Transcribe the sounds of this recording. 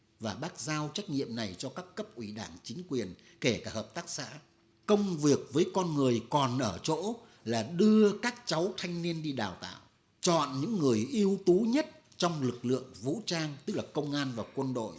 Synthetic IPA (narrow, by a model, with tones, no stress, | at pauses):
vaː˨˩ɓaː˦˥k̚zaː˧wt͡ɕa˦˥k̟̚ɲḭ˧˨əmna˨˩jt͡ɕɔ˧kaː˦˥kːə˦˥p̚ʔwi˧˩ɗaː˧˩ŋt͡ɕï˨˦ŋ̟kwi˨˩ən | ke˧˩kaː˧˩həː˨˩p̚t̪aː˦˥k̚sa̰ː˧˥ | kə˧wŋ͡mvi˨˩ək̚vəː˨˦jkɔ˧nŋɨ˨˩əjkɔ˨˩nʔəː˧˩t͡ɕo̰˧˥ | laː˨˩ɗɨ˧əkaː˦˥k̚t͡ɕa˨˦wt̪ʰa˧jŋ̟ni˧ənɗi˧ɗaː˨˩wt̪a̰ː˧˨w | t͡ɕɔ̰˧˨nɲɨ̰˧˥ŋːɨ˨˩əjʔi˧əwt̪u˨˦ɲə˦˥t̚ | t͡ɕɔ˧wŋ͡mlɨ˨˩k̚lɨ̰˧˨əŋvṵ˧˥t͡ɕaː˧ŋt̪ɨ˦˥k̚laː˨˩kə˧wŋ͡mʔaː˧nvaː˨˩kwə˧nɗo̰˧˨j